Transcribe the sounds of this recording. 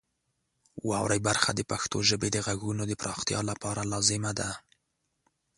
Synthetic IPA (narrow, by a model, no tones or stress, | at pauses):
wɑ̰wɾajbaɾxa̰d̪əpaxt̪oʒəbed̪əɣaɣunod̪əpɾɑxt̪jɑ̰lapɑɾalɑzɪmad̪a